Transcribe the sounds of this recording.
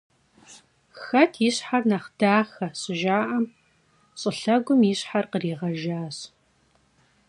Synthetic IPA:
xɐtʰjɪɕħarnɐχd̥aːxɐɕʼɪʒaːʔɐm | ɕʼɪɬɐɡʷʊmjiɕħarqəriːʁɐʒaːɕ

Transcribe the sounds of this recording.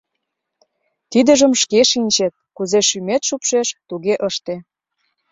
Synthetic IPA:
t̪id̪ə̆ʒə̆mʃkeʃinʲt͡ɕet̪̚kuzeʃymet̪ʃupʃeʃt̪uɣeʔəʃt̪e

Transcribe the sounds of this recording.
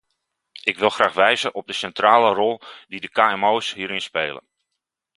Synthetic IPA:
ɪkʋɪlˠxraːxʋɛjzəʔɔb̚dəsɛntraːlərɔlˠdidəkaːɛmoːsɦiːɾɪnspeːlə̰n

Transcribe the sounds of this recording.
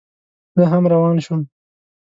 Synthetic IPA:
z̥əɦamɾawɑːnʃʊm

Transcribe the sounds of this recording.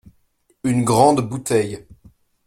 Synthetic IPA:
ynɡʁɑ̃d̪but̪ɛj

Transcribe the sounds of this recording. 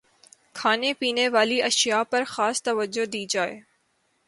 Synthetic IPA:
kʰaːnepiːneʋaːliɐʃijapɐɾxaːst̪ɐʋəd͡ʒod̪iːd͡ʒaːḛː

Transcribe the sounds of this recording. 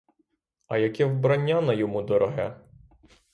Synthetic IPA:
ɐjɐkʲɛwbɾɐnʲːanɐjɔmud̪ɔɾɔɦɛ

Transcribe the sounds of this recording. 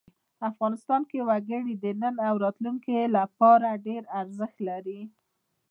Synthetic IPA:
afɣɑnɪst̪ɑnkewaɡəɽid̪ənənawɾɑt̪luŋkelapɑɾaɖeɾaɾzəxt̪laɾi

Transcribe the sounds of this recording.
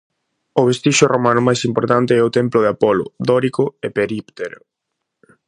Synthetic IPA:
ʊβest̪iʃʊrʔomanʊmajsimpoɾt̪ant̪ɪɛʊt̪emplʊðeapɔlʊ̰d̪ɔɾikʊepeɾipt̪eɾʊ

